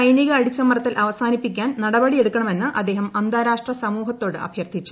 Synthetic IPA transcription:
ɐjniɣɐːɽit͡ɕːɐmːɐrɐt̪ːilʔɐʋɐsaːnipːikʲːaːnnɐɽɐbɐɽie̞ɽukːɐɳɐme̞nːɨʔɐd̪ːe̞ːɦɐmɐnd̪aːɾaːʂʈrɐsɐmuːɦɐt̪ːo̞ːɽɨʔɐ̰bʱjɐrd̪ʱit͡ɕːu̥

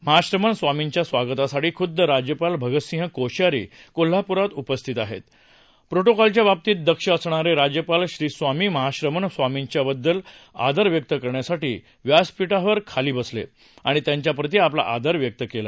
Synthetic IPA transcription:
məɦaɕɾəməɳsʋamiɲt͡ɕjasʋaɡət̪asaʈiːkʰud̪ːəɾad͡ʑjəpalbʱəɡət̪sĩɦəkoɕjaɾḭːkol̤ːapuɾat̪upəst̪ʰit̪aɦḛt̪ | pɾoʈokɔlt͡ɕjabap̚t̪iːt̪̚d̪əkʂəəsɳ̃aɾeɾad͡ʑjəpalɕɾiːsʋamiːməɦaɕɾəmənsʋamiɲt͡ɕjabəd̪ːəla̰d̪əɾʋjək̚t̪əkəɾɳjasaʈḭː | ʋjaspiʈaʋəɾkʰaliːbəslḛ | aɽ̃it̪jãɲt͡ɕjapɾət̪̬iapla̰ʔa̰d̪əɾʋjək̚t̪əkela̰

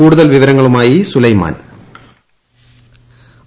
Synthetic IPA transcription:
uːɽuðɐlʋiʋɐɾɐŋːɐɭumaːjisulɐjma̰ːn

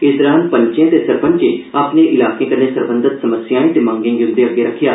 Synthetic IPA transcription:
ɪsd̪əɾãːnpəɲt͡ʃãːt̪eːsəɾpəɲt͡ʃeːaːpneːʔɪlaːkẽːkəɾneːsəɾbə̃nd̪ət̪səməsjaːĩːt̪emãːŋɡɪ̃ːɡiʊ̃nd̪eːəɡːeːɾəkʰːjaː

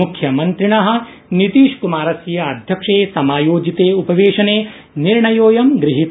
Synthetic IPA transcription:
ukʰjɐmɐnt̪ɾiɳɐɦɐ̆ | nit̪iːʂkumaːɾɐsjɐɐd̪ʱjɐkʂeːsɐmaːjoːd͡ʒit̪eːupɐʋeːʂɐneː | niɾɳɐjoːjɐmɡɾɪɦit̪

